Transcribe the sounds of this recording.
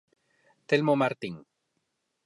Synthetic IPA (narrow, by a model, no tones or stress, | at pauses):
t̪elmomaɾt̪iŋ